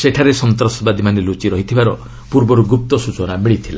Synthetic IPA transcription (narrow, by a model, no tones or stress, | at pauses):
seʈʰaɾesɔnt̪ɾɔsɔbad̪ʱimanelut͡ʃiɾɔɦit̪ʰibaɾɔ | puɾbɔɾuɡup̚t̪ɔsut͡ʃɔnamiɭit̪ʰila